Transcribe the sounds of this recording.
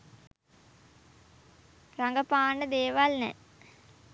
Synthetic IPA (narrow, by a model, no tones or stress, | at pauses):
raŋɡəpaːnəd̪eːʋalnɛ̰